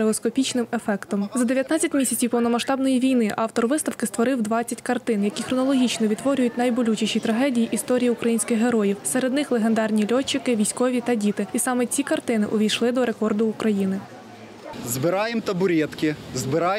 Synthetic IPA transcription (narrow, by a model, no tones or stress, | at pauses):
eɔskɔpʲit͡ʃnɪmefɛkt̪ɔmzɐd̪e̞ʋʲjɐt̪nɑt͡sʲɐtʲmʲisʲɐt͡sʲiwpɔwnɔmɐʃt̪ɑbnɔjiʋʲijnɪʔɑwt̪ɔrʋɪst̪ɐwkɪst̪ʋɔɾɪwd̪ʋɑt͡sʲːɐtʲkɐrt̪ɪnjɐkʲixɾɔnɔlˠɔɦʲit͡ʃnɔʋʲid̪ʋɔɾʲʊjʊtʲnɐjbɔlʲut͡ʃiʃit̪ɾɐɦɛdʲijiʔist̪ɔɾʲijiukɾʔɐjinʲsʲkɪxɦe̞ɾɔjiwsɛɾed̪nɪxlˠeɦend̪ɑrnʲilʲɔt͡ʃːɪkɪʋʲijsʲkɔʋʲit̪ɐdʲit̪ɪisɑmɛt͡sʲikɐrt̪ɪnɪʔɔʋʲijʃlˠɪd̪ɔɾe̞kɔrd̪ʊːkɾʔɐjinɪ | zbɪɾɑjemt̪ɐbʊɾʲɛt̪kɪzbɪɾɑj